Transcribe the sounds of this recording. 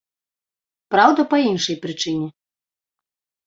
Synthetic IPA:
pɾawd̪ɐpɐinʂɐjpɾɨt͡ʂɨnʲɛ

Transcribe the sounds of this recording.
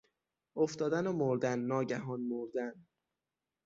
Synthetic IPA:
oft̪ɒːd̪ænomoɾd̪ænːɒːɟæɦɒːnmoɾd̪æn

